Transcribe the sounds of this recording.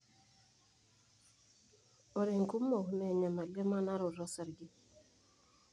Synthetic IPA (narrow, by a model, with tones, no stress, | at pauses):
o˨ɾe˨ŋku˦mːo˨hu˦nɛ˨ɲa˨ma˨le˦ma˦na˦ɾo˨ɾɔ˦sa˨ɾɡɪ˦